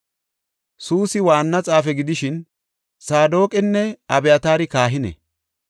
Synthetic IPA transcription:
suːsɪwaːnːɐt͡sʼaːfɛɡɪd̪ɪʃɪn | saːd̪o̞ːkʼɪnːɛɐbɛjɐt̪aːɾɪkaːɦɪnɛ̰

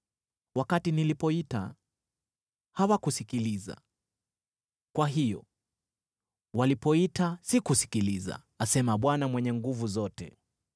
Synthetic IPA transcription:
wakatinilipɔita̰ | hawakusikiliza̰ | kwaɦijɔ̰ | walipɔitasikusi̥kiliza̰ | asɛmaɓwanamwɛɲɛŋɡuvuzɔtɛ̰

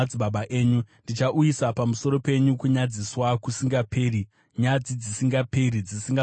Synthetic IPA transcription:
d͡ziɓaɓaʔeːɲundit͡ʃaʔujisapamuso̞ɾo̞pe̞ɲukuɲad͡ziswakusiŋɡapʰeːri | ɲad͡zid͡zisiŋɡapeɾid͡zisiŋɡa

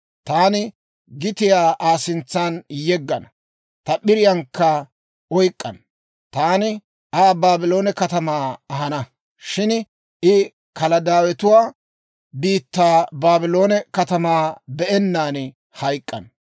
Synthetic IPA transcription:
t̪aːnɪ | ɡɪt̪ɪjaːʔaːsɪnt͡sːaːnjɛɡːɐnɐ | t̪ɐɓɪɾɪjɐŋkːɐ | ɔjkʼːɐ̰n | t̪aːnɪ | ʔaːbaːbɪlo̞ːnɛkɐt̪ɐmaːɐɦɐnɐ | ʃɪn | ʔɪ | kɐlɐd̪aːwɛt̪ʊwaː | biːt̪ːaːbaːbɪlo̞ːnɛkɐt̪ɐmaːbɛʔɛnːaːn | hɐjkʼːɐ̰n

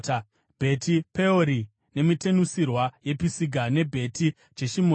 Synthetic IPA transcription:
bʱe̞tʰipe̞oɾi | ne̞mite̞nusirwaje̞pisiɡʱane̞bʱe̞ti | t͡ʃeʃimo

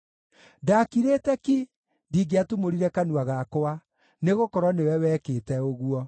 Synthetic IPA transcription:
dakiɾetɛki | diːɡeatumoɾiɾɛkanuaɣakoa | neɣokɔɾwɔnewɛwɛketɛoɣuɔ

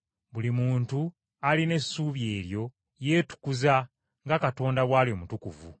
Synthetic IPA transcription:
βulimuːntu | aline̞sːuːβje̞ːɾjo̞ | je̞ːtu̥kuza | ŋɡakato̞ːndaβwaːlio̞mutukṵvṵ

